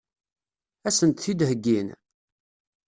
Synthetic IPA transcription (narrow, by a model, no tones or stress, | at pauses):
æsənt̪θid̪həɡːin